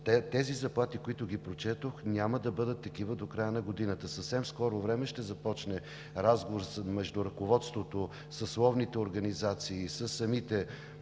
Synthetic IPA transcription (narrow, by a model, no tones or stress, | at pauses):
t̪ɛt̪ɛzizɐplˠat̪ikoit̪ʊɡipɾot͡ʃɛt̪oxnʲaməd̪ɐbɤd̪ət̪ːɐkivəd̪okɾajənɐɡod̪inət̪əsɐfsɛmskɔɾʊvɾɛmɛʃt̪ɛzɐpɔt͡ʃnɛ | ɾazɡovoɾsmɛʒd̪ʊɾɐkovɔt̪st̪vot̪o | sɐslˠɔvnit̪ɛoɾɡɐnizat̪siːsəsːɐmit̪ɛ